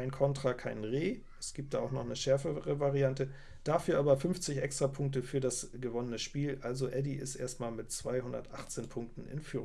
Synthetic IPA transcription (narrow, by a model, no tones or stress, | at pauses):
aɪnkʰɔntʁ̥akʰaɪnʁeː | ɛsɡ̥iːp̚td̥aːaʊxnɔχnəʃɛɐfəʁəvaʁiantə | d̥aːfyːɐʔaːbɐfʏnft͡sɪçʔɛkstʁ̥apʰʊŋk̚təfyːɐdasɡ̥əvɔnənəʃpiːlʔalzoʔɛdiʔɪ̰stʔḛːɐstmaːlmɪtt͡sv̥aɪɦʊndɐ̰tʔaχt͡seːnpʰʊŋk̚tn̩ɪ̰nfyːʁ